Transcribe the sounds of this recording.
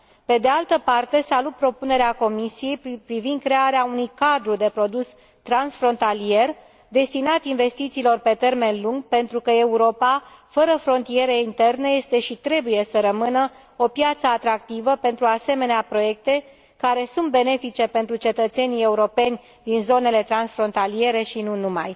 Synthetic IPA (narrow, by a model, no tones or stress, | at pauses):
pe̞d̪e̞alt̪əpart̪e̞salut̪̚pɾo̞pune̞ɾeako̞misije̞jpɾivind̪̚kɾe̞aɾeaunujkad̪ɾud̪e̞pɾo̞d̪us | t̪ɾansfɾo̞nt̪alije̞r | d̪e̞st̪inat̪inve̞st̪it̪siːlo̞rpe̞t̪e̞rme̞nluŋɡpe̞nt̪ɾukəe̞uɾo̞pafəɾəfɾo̞nt̪ije̞ɾeint̪e̞rneje̞st̪e̞ʃit̪ɾe̞buje̞səɾəmɨnə | o̞pjat̪səat̪ɾak̚t̪ivəpe̞nt̪ɾuase̞me̞neapɾo̞je̞k̚t̪e̞ | kaɾe̞sunt̪̚be̞ne̞fit͡ʃe̞pe̞nt̪ɾut͡ʃe̞t̪ət̪se̞nije̞uɾo̞pe̞nʲ | d̪inzo̞ne̞le̞t̪ɾansfɾo̞nt̪alie̞ɾe̞ʃinunuma̰j